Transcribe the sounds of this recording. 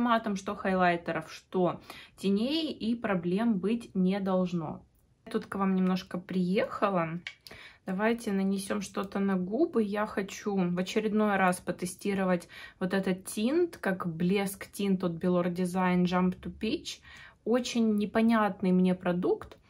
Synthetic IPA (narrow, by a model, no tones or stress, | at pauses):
mat̪əmʂt̪o̞xɐjlˠajt̪ʲəɾəfʂt̪o̞tʲɪnʲejɪʔipɾɐblʲe̞mbɨtʲnʲɪd̪ɐlˠʐno̰ | t̪ut̪kvamnʲɪmno̞ʂkəpɾʲɪjexəlˠə | d̪̥ɐvajtʲɪnənʲɪsʲo̞mʂt̪o̞t̪ənɐɡubɨjaxɐt͡ɕuvɐt͡ɕɪɾʲɪd̪no̞jɾaspət̪ɨsʲtʲiɾəvətʲvo̞t̪ɛt̪ət̪tʲint̪kakblʲe̞sktʲint̪ot̪̚bʲɪlˠordʲɪzajnʐampt̪ʊpʲit͡ɕo̞t͡ɕɪnʲːɪpɐnʲat̪nɨjmnʲe̞pɾɐd̪ukt̪